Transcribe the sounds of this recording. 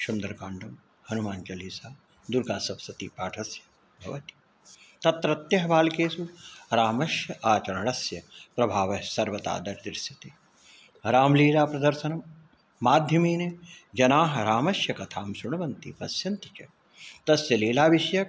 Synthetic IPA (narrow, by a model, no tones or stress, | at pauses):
ʃund̪ɐɾkaːɳɖɐm | hɐnumaːnt͡ʃɐliːsaː | d̪uɾɡaːsɐpsɐt̪iːpaːʈʰɐsjɐ | bʱɐ̰ʋɐt̪i̥ | t̪ɐt̪ɾɐt̪jɐɦɐbaːlkeːsuɾaːmɐʃjɐʔaːt͡ʃɐɾɐɳɐsjɐpɾɐbʱaːʋɐɦsɐɾʋɐt̪a̰ːd̪ɐɾd̪iɾsit̪e | ɾaːmliːlaːpɾɐd̪ɐɾʃɐnɐmː | aːd̪ʱjɐmiːned͡ʒɐnaːɦɐɾaːmɐʃjɐkɐt̪ʰaːmsuɳɐʋɐnt̪ḭpɐsjɐnt̪i̥t͡ʃɐ | t̪ɐsjɐleːlaːʋiʃɐjɐ